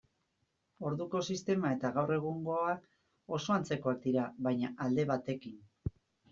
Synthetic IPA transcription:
o̞ɾðuko̞sist̪e̞mae̞t̪aɣawre̞ɣ̞uŋɡo̞ak | o̞so̞ant͡se̞ko̞ak̚d̪iɾaβajɲaʔald̪e̞βat̪e̞kin

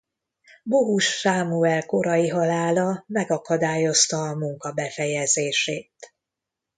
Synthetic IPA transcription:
boɦuʃsaːmuɛlko̞ɾɒjiɦɒlaːlɒmɛɡɒkɒd̪aːjo̞st̪ɒːmuŋkɒbɛfɛjɛzeːʃeːt̪

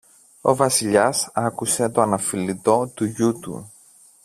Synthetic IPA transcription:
o̞̰vɐsiʎɐsɐkuse̞t̪oɐnɐfilit̪o̞t̪uʝut̪ṵ

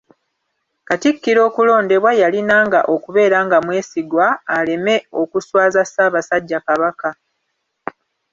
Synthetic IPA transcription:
katikːiɾo̞ːkulo̞ːnde̞βwajalinaːŋɡaʔo̞kuβe̞ːɾaːŋɡamwe̞ːsiɡwaːle̞me̞o̞kuswaːzasaːβasaɟːakaβaka

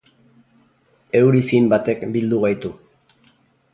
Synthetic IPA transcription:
e̞wɾifimbat̪e̞kbild̪uɣ̞ajt̪u

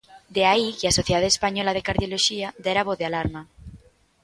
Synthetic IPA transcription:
d̪eaikeasoθjeaðespaɲolaðekaɾðjoloʃiad̪eɾaβoðealaɾma

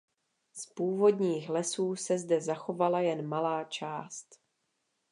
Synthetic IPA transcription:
spuːvo̞dɲiːxlɛsuːsɛzdɛzaxo̞valajɛnmalaːt͡ʃaːst̪

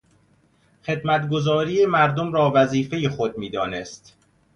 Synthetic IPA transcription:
xe̞d̪mæt̪ɡo̞zɒːɾiːemæɾd̪omɾɒːvæziːfe̞jexod̪̚miːd̪ɒːnest̪

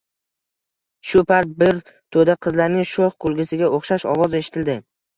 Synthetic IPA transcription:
ʃʊpʰaɾt̪̚bɪɾ | t̪ʰod̪aqʰɨzlaɾnɪŋʃoχqʊlˠɡʲɪsɪɡʲaʔoχʃaʃɒ̰vɒze̞ʃɪ̥t̪ʰɪld̪ɪ

